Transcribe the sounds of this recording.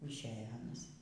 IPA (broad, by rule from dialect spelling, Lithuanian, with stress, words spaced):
ɪʃʲˈæːjɛ ˈɑːnɐs